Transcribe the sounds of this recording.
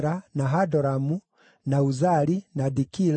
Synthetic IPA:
ɾanaɦadɔɾamu | nauzalinadikil

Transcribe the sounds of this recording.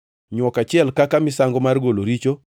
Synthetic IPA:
ɲwɔkat͡ʃɪɛlkakamɪsaŋɡɔmarɡoloɾit͡ʃo

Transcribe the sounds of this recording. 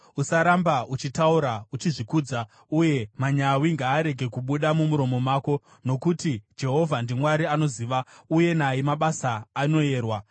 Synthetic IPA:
usaɾambaut͡ʃitauɾaut͡ʃiʐikuːd͡za | uje̞maɲawiŋɡaːɾe̞ɡʱe̞kuɓuɗamumuɾo̞mo̞maːko̞ | no̞kutid͡ʒe̞ɦo̞vʱandimwaɾiano̞ziːʋauje̞najimaɓasaːno̞je̞ːrwa

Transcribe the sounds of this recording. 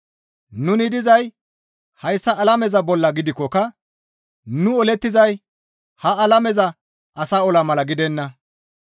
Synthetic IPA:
nʊnɪd̪ɪzɐj | hɐjsːɐʔːlɐmɛzɐbɔlːɐɡɪd̪ɪkːɔkɐ | nʊɔlɛt̪ːɪzɐj | hɐɐlɐmɛzɐ | ʔɐsaːɔlɐmɐlɐɡɪd̪ɛnːɐ

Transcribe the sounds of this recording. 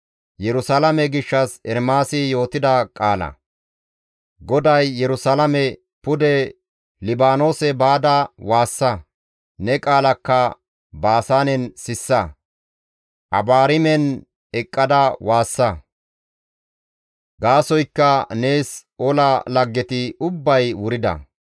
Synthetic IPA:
jɛɾʊsalɐmɛɡɪʃːɐsɛɾmaːsɪjo̞ːt̪ɪd̪ɐkʼaːlɐ̰ | ɡɔd̪ɐjːɛɾʊsalɐmɛ | pʊd̪ɛ | lɪbaːno̞ːsɛbaːd̪ɐwaːsːɐ | nɛkʼaːlɐkːɐ | baːsaːnɛnsɪsːɐ | ʔɐ̰baːɾɪmɛn | ɛkʼːɐd̪ɐwaːsːɐ | ɡaːsɔjkːɐne̞ːsɔlɐlɐɡːɛt̪ɪʊbːɐjwʊɾɪd̪ɐ̰

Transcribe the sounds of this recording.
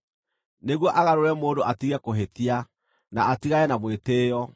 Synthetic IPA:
neɣwɔʔaɣaɾoɾɛmoːdoʔatiɣɛkoɦetia | naːtiɣaɛnamweteːjɔ

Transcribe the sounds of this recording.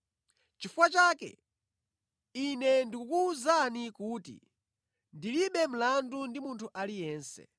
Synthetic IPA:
t͡ʃifuwat͡ʃaːkɛ̰ | inɛndikukuːzanikuːtḭ | ndiliɓɛm̩landundimuntʰuʔalijɛːnsɛ̰

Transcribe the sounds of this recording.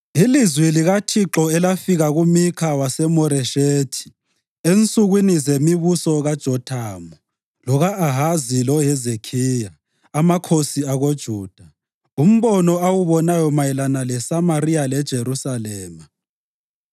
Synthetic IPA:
ilizwiliɣatʰiǁɔɛlafiɣaɣumikʰawasɛmɔɾɛʃeːtʰi̥ | ent͡sʼuɣwinizemiβusɔɣad̥ʒ̥ʱɔdʰaːmɔ | lɔɣaʔːɦazilɔɦɛzekʰiːjaː | makʰosiaɣod̥ʒ̥ʱuːd̥ʱa | um̩βɔnɔawuβɔnajɔmajɛlanalɛsamaɾijalɛd̥ʒ̥ʱeɾusalɛːma

